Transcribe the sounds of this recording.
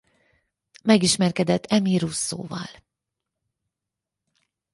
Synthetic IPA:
mɛɡiʃmɛrkɛd̪ɛt̪ʰːɛmiɾusːo̰ːvɒ̰l

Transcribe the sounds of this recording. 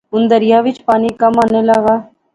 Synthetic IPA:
ʊnd̪əɾɪjaːʋɪt͡ʃpaːniːkəmaːneːləɡaː

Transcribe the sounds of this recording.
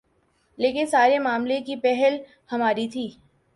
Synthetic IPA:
leːkɪnsaːɾemaːmlekipɛɦɛl | hɐmaːɾit̪ʰiː

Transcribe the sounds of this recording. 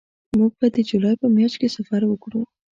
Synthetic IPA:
muɡ̚bad̪əd͡ʒulɑjpəmjɑʃkesafɑɾwəkɽu

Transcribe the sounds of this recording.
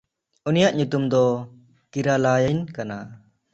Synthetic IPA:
unijaʔɲut̪umd̪ɔ | kiɾalajəjnkana

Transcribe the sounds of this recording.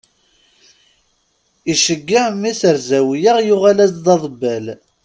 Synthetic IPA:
iʃəɡːaʕmːiθəɾzæwijəʁjʊʁalæzðˤɑðˤbːəl

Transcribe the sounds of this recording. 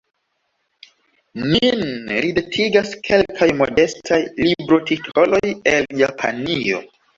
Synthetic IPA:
ninɾidetʰiɡaskʰe̞lkʰajmo̞de̞stʰajlibɾo̞titʰo̞lo̞je̞ljapʰa̰nio̞̰

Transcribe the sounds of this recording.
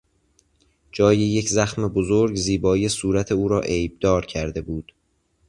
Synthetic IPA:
d͡ʒɒːjejecʰzæxme̞bozoɾɡziːbɒːijesuːɾæt̪ʰe̞uːɾɒːʔejb̚d̪ɒːɾcʰæɾd̪e̞buːd̪̥

